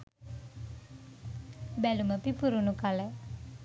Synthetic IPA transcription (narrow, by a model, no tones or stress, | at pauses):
bɛluməpipuɾunukalɛ